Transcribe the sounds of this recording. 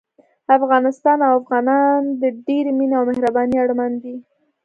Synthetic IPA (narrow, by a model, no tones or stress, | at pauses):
afɣɑnɪst̪ɑnawafɣɑnɑnd̪əɖeɾemineawmɪhɾabɑniaɽmand̪i